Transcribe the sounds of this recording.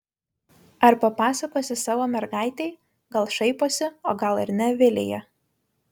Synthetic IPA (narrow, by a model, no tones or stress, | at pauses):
ɐɾpɐpɑːsɐkoːsʲɪsɑːʋoːmʲɛɾɡɑˑɪt̪ʲɛɪ | ɡɐlˠʃɐɪpoːsʲɪoːɡɐlˠɪɾʲnʲɛʋʲɪlʲḛːjɛ